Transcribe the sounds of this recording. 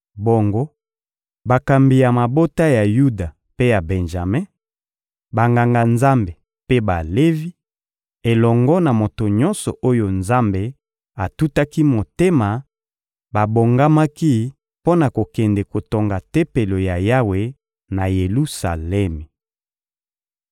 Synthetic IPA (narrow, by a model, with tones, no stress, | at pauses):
bo˨ŋɡo˦ | ba˨ka˨mbi˨ja˨ma˨bo˦ta˦ja˨ju˦da˨ | pe˦ja˨bɛ˨nʒa˨mɛ˦ | ba˨ŋɡa˨ŋɡa˨nza˦mbe˨ | pe˦ba˨le˦vi˦ | e˨lɔ˨ŋɡɔ˦na˨mo˨to˨ɲɔ˦nsɔ̰˨ʔo˦jo˦nza˦mbe˨ | a˨tu˦ta˦ki˦mo˨te˦ma˨ | ba˨bo˨ŋɡa˦ma˦ki˦ | po˦na˨ko˨kɛ˨ndɛ˨ko˨to˨ŋɡa˨te˦pe˨lo˨ja˨ja˦we˨ | na˨je˨lu˦sa̰˨lɛ˦mi˨